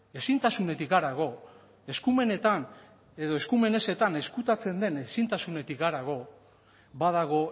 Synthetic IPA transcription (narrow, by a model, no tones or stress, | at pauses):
e̞sint̪asune̞t̪ikɡaɾaɣo̞ | e̞skume̞ne̞t̪an | e̞ðo̞e̞skume̞ne̞se̞t̪ane̞skut̪at͡se̞nd̪e̞nesint̪asune̞t̪ikɡaɾaɣ̞o̞ | baðaɣ̞o̞